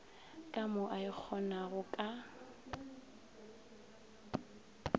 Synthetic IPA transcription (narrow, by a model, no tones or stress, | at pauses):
kʼamʊʔaɪk͡xʰɔnaɣʊkʼa